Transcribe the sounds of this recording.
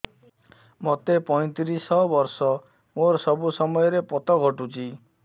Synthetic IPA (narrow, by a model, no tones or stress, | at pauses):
mot̪epɔj̃t̪iɾisɔbɔɾsɔ | moɾsɔbusɔmɔjɔɾepɔt̪ɔɡʱɔʈut͡ʃʰi